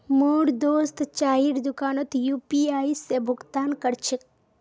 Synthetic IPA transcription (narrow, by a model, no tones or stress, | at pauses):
moːɽd̪oːst̪t͡ʃaːiɽd̪ʊkaːnot̪juːpiaːisebʱʊɡt̪aːnkɐɾt͡ʃʰik̚